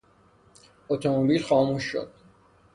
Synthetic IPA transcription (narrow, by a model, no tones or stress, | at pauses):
ot̪ʰomobilxɒːmuʃːo̰d̪̥